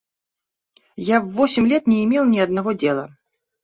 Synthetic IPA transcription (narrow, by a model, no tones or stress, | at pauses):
javːosʲɪmʲlʲet̪nʲɪːmʲelˠnʲɪɐd̪nɐvodʲelˠə